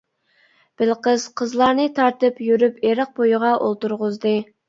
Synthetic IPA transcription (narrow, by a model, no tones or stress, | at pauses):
b̥ɪlqəz̥qʰəzlˠɑɾnɨt̪ʰɑɾt̪ɨpjyɾypeɾəq̚bojʊʁɑʔolˠt̪uɾʁʊzd̪ɨ